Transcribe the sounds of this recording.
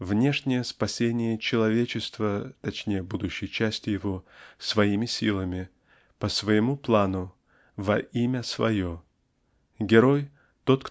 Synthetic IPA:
vnʲe̞ʂnʲɪjəspɐsʲenʲɪjət͡ɕɪlˠɐvʲet͡ɕɪst̪vət̪ɐt͡ɕnʲejəbud̪ʊɕːɪjt͡ɕæsʲtʲɪjɪvo̞svɐimʲɪsʲilˠəmʲɪ | pəsvəjɪmuplˠanʊ | vɐʔimʲəsvɐ̰jo | ɡʲɪɾo̞j | t̪o̞t̪k

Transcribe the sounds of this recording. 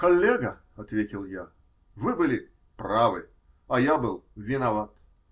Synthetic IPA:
kɐlʲːeɡə | ɐt̪vʲetʲɪlˠja | vɨbɨlʲɪ | pravɨ | ɐjabɨlˠvʲɪnɐvat̪

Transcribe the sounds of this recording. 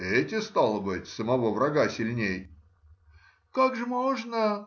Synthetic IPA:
ɛtʲɪst̪alˠəbɨtʲsəmɐvo̞vɾɐɡasʲɪlʲnʲej | kakʐɨmoʐnə

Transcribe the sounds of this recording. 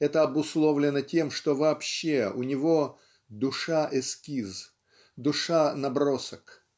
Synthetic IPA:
ɛt̪əɐbʊslˠovlʲɪnətʲe̞mʂt̪ovɐːpɕːeʊnʲɪvo | d̪ʊʂaʔɪskʲiz | d̪ʊʂanɐbrosək

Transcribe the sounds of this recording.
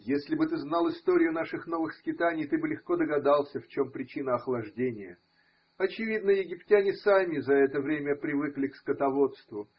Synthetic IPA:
jesʲlʲɪbɨt̪ɨznɑlˠɨst̪o̞ɾʲɪjʊnaʂɨxno̞vɨxskʲɪt̪anʲɪjt̪ɨbɨlʲɪxko̞d̪əɡɐd̪alˠsʲəft͡ɕo̞mpɾʲɪt͡ɕinəɐxlˠɐʐdʲenʲɪjə̰ | ɐt͡ɕɪvʲid̪̚nəjɪɡʲɪptʲænʲɪsamʲɪzɐɛt̪əvɾʲemʲəpɾʲɪvɨklʲɪkskət̪ɐvo̞t̪st̪vʊ

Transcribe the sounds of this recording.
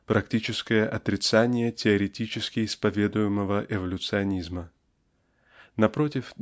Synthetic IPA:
pɾɐktʲit͡ɕɪskəjəʔɐt̪ɾʲɪt̪sanʲɪjətʲɪɐɾʲɪtʲit͡ɕɪskʲɪɪspɐvʲe̞d̪ʊjɪməvəʔɪvəlʲʊt̪sɨɐnʲizmə | nɐpɾotʲɪf

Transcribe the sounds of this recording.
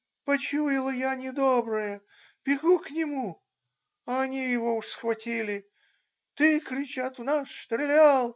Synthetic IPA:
pɐt͡ɕujɪlˠəjanʲɪd̪obɾəjə | b̥ʲɪɡuknʲɪmu | ɐɐnʲijɪvo̞ʊʂsxvɐtʲilʲɪ | t̪ɨkɾʲɪt͡ɕat̪ʊnasst̪ɾʲɪlʲalˠ

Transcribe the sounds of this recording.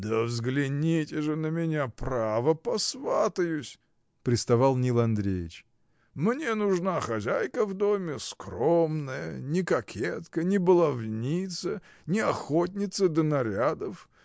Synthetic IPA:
d̪əvzɡlʲɪnʲitʲɪʐɨnəmʲɪnʲapravəpɐsvat̪əjʊsʲ | pɾʲɪst̪ɐvɑlˠnʲilˠɐnd̪ɾʲejɪt͡ɕ | mnʲenʊʐnaxɐzʲajkəvd̪omʲɪskromnəjə̰nʲɪkɐkʲʰet̪kənʲɪbəlˠɐvnʲit̪sə | nʲɪɐxot̬ʲnʲɪt̪səd̪ənɐɾʲad̪əf

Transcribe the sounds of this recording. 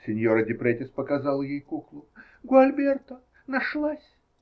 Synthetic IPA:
sʲɪnʲjoɾədʲɪpɾetʲɪspəkɐzalˠjejkuklˠʊ | ɡʊɐlʲbʲert̪ə | nɐʂlˠasʲ

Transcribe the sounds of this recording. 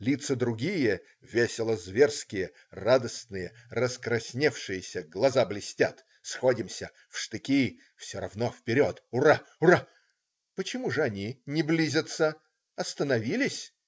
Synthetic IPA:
lʲit̪səd̪ɾʊɡʲijə | vʲesʲɪlˠəzvʲerskʲɪjə | rad̪əsnɨjərəskɾɐsʲnʲefʂɨjəsʲəɡlˠɐzablʲɪsʲtʲat̪ | sxodʲɪmsʲə | fʂt̪ɨkʲi | fsʲoɾɐ̰vnofpʲɪɾʲot̪ʊraʊra | pət͡ɕɪmuʐɨɐnʲinʲɪblʲizʲət̪sə | ɐst̪ənɐvʲilʲɪsʲ

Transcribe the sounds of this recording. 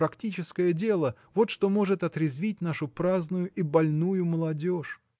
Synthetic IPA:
ɾɐktʲit͡ɕɪskəjədʲe̞lˠə | vo̞t̪ʂt̪o̞mo̞ʐɨt̪ɐt̪ɾʲɪzvʲit̚ʲnaʂʊpɾaznʊjʊʔibɐlʲnujʊməlˠɐdʲo̞ʂ

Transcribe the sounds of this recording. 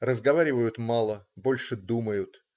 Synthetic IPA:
rəzɡɐvaɾʲɪvəjʊt̪mɑlˠəbo̞lʲʂɨd̪uməjʊt̪

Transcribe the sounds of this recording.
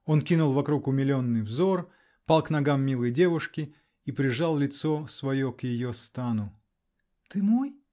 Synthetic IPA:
o̞nkʲinʊlˠvɐkɾukʊmʲɪlʲo̞nːɨjvzo̞r | palˠkn̪ɐɡamːʲilˠɨjdʲe̞vʊʂkʲɪ | ipɾʲɪʐalˠlʲɪt̪sosvɐjokjɪjost̪anʊ | t̪ɨmoj

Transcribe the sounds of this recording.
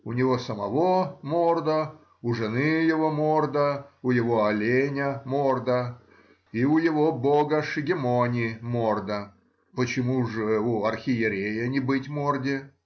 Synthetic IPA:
ʊnʲɪvosəmɐvomord̪ə | ʊʐɨnɨjɪvomord̪əʊjɪvoɐlʲenʲəmord̪ə | iʊjɪvoboɡəʂɨɡʲɪmonʲɪmord̪ə | pət͡ɕɪmuʐɨuɐrxʲɪjɪɾʲejənʲɪbɨtʲmordʲɪ

